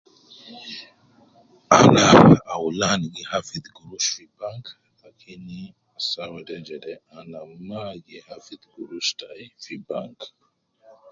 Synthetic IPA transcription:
anaːwulanɡihafid̪ɡuɾuʃfibaŋk | lakʰini | asawɛdɛd͡ʒɛdɛanamaɡihafid̪ɡuɾuʃtaifiba̰ŋk

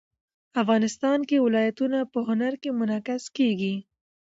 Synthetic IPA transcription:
afɣɑːnɪst̪ɑnkewɪlɑjat̪unapəɦʊnaɾkemʊnɑkɪskeɡi

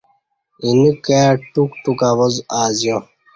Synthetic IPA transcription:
inikaːʈukʈukaβozaːzjo

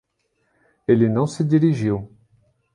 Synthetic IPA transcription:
elenɔ̃səd̪iʁiʒew

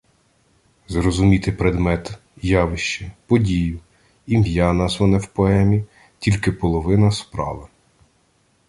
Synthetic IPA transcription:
zrɔzʊmʲit̪ɪpɾed̪mɛt̪ | jɑʋɪʃt͡ʃɛpɔdʲijʊ | imjɑnɑzʋɔnɛwpɔɛmʲi | tʲilʲkɪpɔlˠɔʋɪnɐspɾɑ̰ʋɪ

